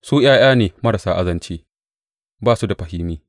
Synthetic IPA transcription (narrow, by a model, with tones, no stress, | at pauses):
suː˦j̰aː˦j̰aː˦neː˨mɐ˦ɾa˨saː˦ʔa˦zɐ˦nt͡ʃeː˦ | baː˦su˦da˨ɸɐ˨hɪː˦miː˦